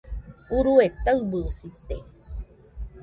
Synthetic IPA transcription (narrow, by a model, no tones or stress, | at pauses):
uɾuet̪abɨsit̪e